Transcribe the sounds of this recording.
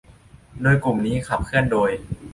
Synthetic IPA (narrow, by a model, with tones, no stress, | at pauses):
doː˧jklu˨˩mniː˦˥kʰa˨˩p̚kʰɯ˥˩əndoː˧j